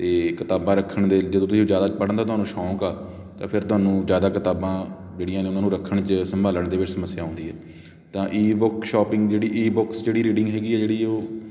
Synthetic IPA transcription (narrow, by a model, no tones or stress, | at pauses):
t̪eːkɪt̪aːbãːɾəkʰːəɳd̪eːd͡ʒəd̪õːt̪ʊsiːd͡ʒjaːd̪aːt͡ʃpəɽə̃nd̪aːt̪ʊɦaːnũːʃɔ̃ːkaː | t̪ã̰ːpʰɪɾt̪ʊɦaːnũːzjaːd̪aːkɪt̪aːbãː | d͡ʒeːɽɪjãːnẽːʊnãːnũːɾəkʰːəɳt͡ʃəsəmbʱaːləɳd̪eːʋɪt͡ʃsəməsːjaːɦõːnd̪iːɦɛː | t̪ãːʔiːbʊkʃɔːpɪ̃ŋɡd͡ʒeːɽiːʔiːbɔksd͡ʒeːɽiːɾiːɖɪ̃ŋɡɦɛːɡiːɛːd͡ʒeːɽiːoː